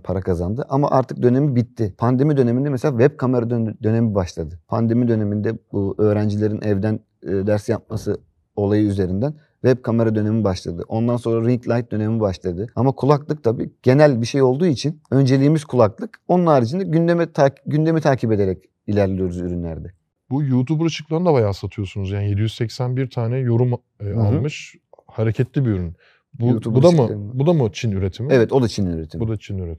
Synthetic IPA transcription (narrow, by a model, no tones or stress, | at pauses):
pʰaɾakʰazand̪ɯʔama̰ʔaɾt̪ʰɯk̚d̪ø̞ne̞mibit̪ʰːɪpʰand̪e̞mid̪ø̞nemind̪ɛmɛselʲavɛb̚kʰame̞ɾad̪d̪ø̞ne̞mibaʃlˠad̪ɯpʰand̪e̞mid̪ø̞ne̞mind̪ɛbuø̞ːɾænd͡ʒilʲe̞ɾinʔɛvd̪ænː | d̪æɾsjap̚masɯ | o̞lˠajɯyze̞ɾind̪æn | vɛb̚kʰame̞ɾad̪ø̞ne̞mibaʃlˠad̪ɯʔo̞nd̪anso̞nɾaɾiŋklʲˠajt̪̚d̪ø̞ne̞mibaʃlˠad̪ɯamakʰulˠaklˠɯk̚t̪ʰabiːɟ̥e̞nælʲbiʃe̞jo̞lˠd̪uːit͡ʃʰinø̞nd͡ʒe̞lʲiːmiz̥kʰulˠaklˠɯko̞nunaːɾid͡ʒinɛɟynd̪emɛt̪ʰaɟynd̪e̞mit̪ʰaːcʰipe̞d̪e̞ɾɛc | ilʲæɾlʲijo̞ɾuzyɾynlʲæɾd̪ɛ | bujuːt̪ʰubuɾat͡ʃɯ̥klˠaɯnd̪abajaːsat̪ʰɯjo̞sunuzjaːnije̞d̪ijyzsɛcsænbiɾt̪ʰaːnɛjo̞ɾumː | alˠmɯʃ | haɾecʰɛt̪lʲibiyɾyn | buut̪ʰubbud̪amuabud̪amut͡ʃʰinyɾet̪ʰimevɛt̪o̞d̪at͡ʃʰininyɾet̪ʰimbud̪at͡ʃʰinyɾet̪ʰ